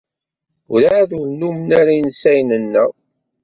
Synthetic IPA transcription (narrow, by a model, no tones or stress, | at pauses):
ʊɾaðunːumənaɾinsæjnənːə